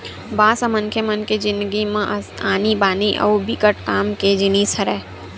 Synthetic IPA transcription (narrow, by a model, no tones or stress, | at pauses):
baːsɐmɐŋkʰjemɐnked͡ʒɪ̃nd̪ɡimãʔaːnibaːniʔɐ̰wbikəʈkaːmked͡ʒinisəɾɛː